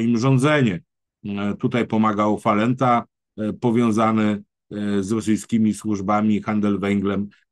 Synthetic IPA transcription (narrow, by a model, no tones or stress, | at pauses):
imʐɔnd̪zɛɲɛ | t̪ut̪ajpɔmaɡawfalɛnt̪a | pɔvʲjɔ̃w̃zanɛ | zɾɔsɘjskʲimʲiswuʐbamʲixand̪ɛlvɛŋɡlɛm